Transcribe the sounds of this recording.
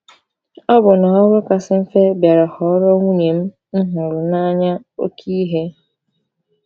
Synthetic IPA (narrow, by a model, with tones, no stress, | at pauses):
ɔ˦bʊ˨na˨ɔ˦ɡʊ˦ka˨sɪ˦m̩˦fe˦bja˨ɾa˨hɔ˨˦ɾɔ˦ŋʷu˦ɲe˨m̩˦ | n̩˦ɦʊ˨ɾʊ˨na˦ɲa˦ | o̰˦kʰi˦ɦe˦